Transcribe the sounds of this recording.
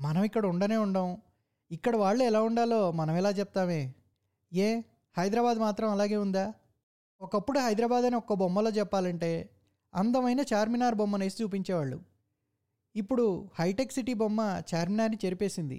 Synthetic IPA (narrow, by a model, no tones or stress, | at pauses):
mɐnɐmikːɐɽɐuɳɖɐne̞ːuɳɖɐm | ikːɐɽɐʋaːɭːuɛlaːuɳɖaːlo̞ːmɐnɐmɛlaːt͡ʃɛp̚t̪aːme̞ː | eː | hɐjd̪ɾɐbaːd̪maːt̪ɾɐmɐlaːɡe̞ːund̪aː | ɔkɐpːuɽuɦɐjd̪ɾɐbaːd̪ɐniɔkːɐbomːɐlo̞ːt͡ʃɛpːaːlɐɳʈe̞ː | ɐnd̪ɐmɐjnɐt͡ʃaːɾminaːɾbomːɐnɐːsi̥t͡ʃuːp̬iɲt͡ʃeːʋaːɭːṵ | ipːuɽuhɐjʈeksiʈibomːɐt͡ʃaːɾminaːɾnit͡ʃeɾipe̞ːsind̪ḭ